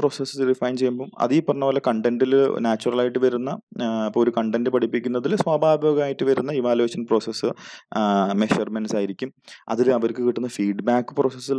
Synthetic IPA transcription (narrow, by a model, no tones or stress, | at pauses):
pro̞ːsesɨɖifɐjnt͡ɕe̞juɐmboːɐ̰ðijpːɐrɐɲːɐʋoːlːɐkɐɳɖenɖilnaːt͡ɕːurɐlaːjiʈːɨʋɐɾunːɐpːooɾukɐɳɖenɖɨpɐʈipːikʲːunːɐðilswaːbʱaːbijoɐɡɐmaːjiʈːɨʋɐɾunːɐiʋaːlue̞ːɕɐnpro̞ːsesːɨ | me̞ɕɐrmenɨsaːjiɾikʲːumɐ̰ðilɐʋɐɾkɨkiʈːunːɐfiːɖbaːkːɨ̥pro̞ːsesːil